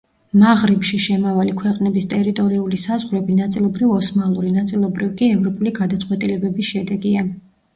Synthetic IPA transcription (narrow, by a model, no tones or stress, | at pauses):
maʁɾipʃiʃɛmavalikʰwɛqʼnɛbist̪ʼɛɾit̪ʼɔɾiulisazʁvɾɛbinat̪sʼilˠɔbɾivɔsmalˠuɾinat̪sʼilˠɔbɾivkʼiɛvɾɔpʼuliɡad̪at̪sʼqʼwɛt̪ʼilɛbɛbisʃɛd̪ɛɡia